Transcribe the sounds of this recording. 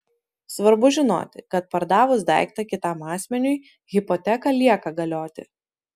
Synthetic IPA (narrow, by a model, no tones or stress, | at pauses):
sʋɐɾbʊʒʲɪno̰ːt̪ʲɪkɐt̪̚pɐɾd̪ɑːʋʊsd̪æ̰ˑɪkt̪ɐkʲɪt̪ɑmɑːsʲmʲɛnʲʊɪ | ɣʲɪpɔt̪ʲɛkɐlʲiɛkɐɡɐlʲoːt̪ʲɪ̰